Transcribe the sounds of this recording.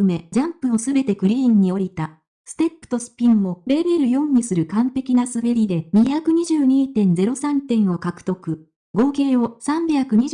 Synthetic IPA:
ɯme̞d͡ʑãmpɯ̟o̞sɨbe̞t̪e̞kɯ̟ɾʲĩːɲ̟ːio̞ɾʲit̪a | sɨ̥t̪e̞pːɯ̟̥t̪o̞sɨ̥pʲĩmːo̞ɾe̞be̞ɾɯ̟jõ̞ɲ̟ːisɨɾɯ̟kãmt̪e̞kʲinasɨbe̞ɾʲid̪e̞ɲ̟içakɯ̟ɲ̟iʑɨːɲ̟iːt̪ẽ̞nd͡ze̞ɾo̞sãnt̪ẽ̞ɰ̃o̞kakɯ̟̥t̪o̞kɯ̟ | ɡo̞ːke̞ːo̞sãmbʲakɯ̟ɲ̟i

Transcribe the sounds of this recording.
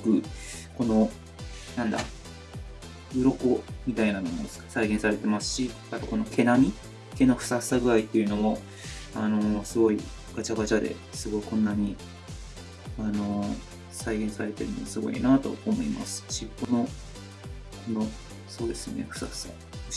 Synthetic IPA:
kɯ̟ko̞no̞ | nãnd̪a̰ | ɯ̟ɾo̞ko̞mʲit̪ainano̞mossaiɡẽsaɾe̞t̪e̞masɨ̥ɕi | at̪oko̞no̞kʰe̞namʲi | ke̞noɸɯ̟̥saɯ̥saɡɯ̟ait̪ːe̞jiɯ̟no̞mo̞ | ano̞sɨɡo̞i | ɡ̥at͡ɕaɡat͡ɕad̪e̞̰ | sɨɡo̞ikõ̞nːaɲ̟i | ano̞ | saiɡẽ̞saɾe̞t̪e̞ɾɯ̟no̰masɨɡo̞̰ḭnat̪o̞̰omo̞̰ḭma̰sɨ̥ɕipːo̞no̞ | kʰo̞no̞ | so̞ːd̪e̞sɨo̰nḛɸɯ̟̥saɯ̥sa̰

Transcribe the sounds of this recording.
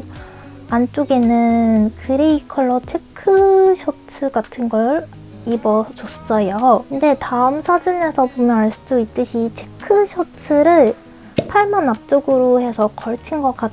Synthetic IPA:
ant͡ɕ͈oɡe̞nɯnkɯɾeikʰʌɭːʌt͡ɕʰe̞kʰɯɕʰʌt͡ɕʰɯɡatʰɯnɡʌɾ | ibʌt͡ɕos͈s͈ʌjokɯnde̞taɯmsʰad͡ʑine̞sʰʌpomjʌnaɭs͈udoit̚t͈ɯɕʰit͡ɕʰe̞kʰɯɕʰʌt͡ɕʰɯɾɯɭ | pʰaɭmanːap̚t͡ɕ͈oɡɯɾohe̞sʰʌkʌɭt͡ɕʰinɡʌk͈at

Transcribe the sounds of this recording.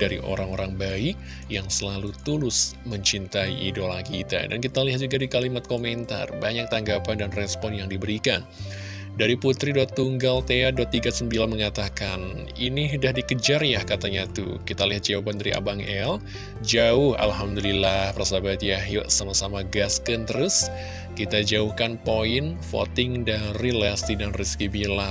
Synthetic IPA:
d̥aɾḭʔo̰ɾaŋoɾaŋbaɪk̚ | jaŋsəlalut̪ulʊsməɲt͡ʃint̪aiʔidolakit̪a̰dankit̪aliɦat̪̚d͡ʒuɡadikalimat̪̚komɛnt̪a̰rbaɲak̚t̪aŋɡapandanrɛspɔnjaŋdibəɾikan | daɾiput̪ɾidɔt̪ːuŋɡalt̪eadɔt̪ːiɡasəmbilanməŋat̪akan | iniɦdahdikəd͡ʒarjahkat̪aɲat̪ṵkit̪aliɦat̪̚d͡ʒawapandaɾiʔa̰baŋɛl | d͡ʒaʊha̰lɦamd̪ulilahpərsabat̪jaɦjɔʔsamahsamaɡaskənt̪əɾus | kit̪ad͡ʒauhkanpoɪnfo̰t̪ɪŋdaɾilast̪idanriskibila

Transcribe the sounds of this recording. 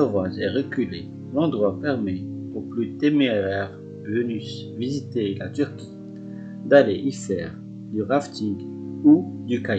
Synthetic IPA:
ɔvaʒɛʁəkʲyle | lɑ̃d̪ʁwapɛʁmeuplyt̪emeʁɛʁ | vənys | vizit̪elat̪yʁkʲʰi̥ | d̪aleʔifɛʁ | d̪yʁaft̪iɡ | ud̪ykaj

